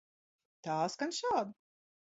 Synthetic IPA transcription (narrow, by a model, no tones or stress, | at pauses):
t̪aːskanʃaːd̪